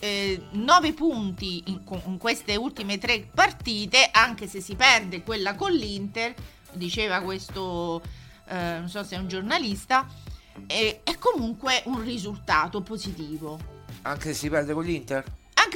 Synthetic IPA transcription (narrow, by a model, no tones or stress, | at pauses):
ɛnɔːvepunt̪iŋkoŋkwest̪eult̪imet̪ɾepːart̪iːt̪eʔaŋk̟esesːipɛrd̪ekwelːakolːint̪er | d̪it͡ʃeːvakwest̪o | nonsɔsːɛund͡ʒornalist̪a | ɛɛkːomuŋkweʔunrizult̪aːt̪opozit̪iːvoa̰ŋkesesːipɛɾd̪ekolːint̪eɾ | aŋk